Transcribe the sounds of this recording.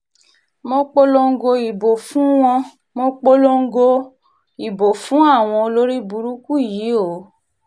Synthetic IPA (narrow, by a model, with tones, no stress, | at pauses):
mo˧˦k͡po˦lo˧ŋ̩˦ɡo˧i˨bo˨fũ˦w̃ɔ̃˧ | mo˧˦k͡po˦lo˦ŋ̩˦ɡo˧ | i˨bo˨fũ˨˦a˦˨w̃ɔ̃˧o˧lo˦ɾi˦bu˧ɾu˦ku˦˨ji˨˦o˨˦